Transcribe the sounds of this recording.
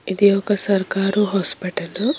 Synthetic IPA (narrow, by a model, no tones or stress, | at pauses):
id̪iɔkɐsɐɾkaːɾuɦoːspiʈɐlu